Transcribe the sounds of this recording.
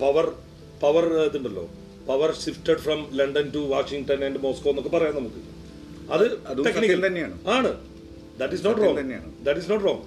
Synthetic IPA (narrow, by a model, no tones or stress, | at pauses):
pɐʋɐr | pɐʋɐrt̪ːumbɐɐlːo̰ː | pɐʋɐrʂifʈɐɖfɾɐmlɐɳɖɐnʈuʋaːʂiŋɡʈɐneɳɖmoːskɐʋenːokːepɐrɐjaːnːɐmukːɨ | ɐ̰ððɨɐðteknikkɐt̪ɐnːejaːɳuaːɳɨ | d̪ɐʈːisnoːʈroːŋɐnːeja̰ːɳd̪ɐʈːisnoːʈroːŋɡ